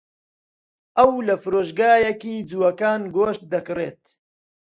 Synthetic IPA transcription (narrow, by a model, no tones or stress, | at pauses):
ʔɐwlɐfɨɾoːʃɡaːjɐkiːd͡zuːwɐkaːnɡoːʃt̪̚d̪ɐkɨrḛːt̪̚